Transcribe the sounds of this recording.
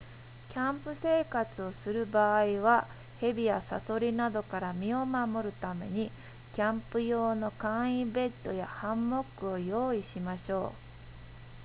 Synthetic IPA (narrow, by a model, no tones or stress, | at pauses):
kʲãmpɯ̟se̞ːkat͡sɨo̞sɨɾɯ̟baːiβa | he̞bʲijasa̰so̞ɾʲinad̪o̞kaɾamʲio̞mamo̞ɾɯ̟t̪ame̞ɲ̟i | kʲãmpɯ̟jo̞ːno̞kãɰ̃ibe̞t̪ːo̞̰jahãmːo̞kɯ̟o̞jo̞ːiɕimaɕo̞ː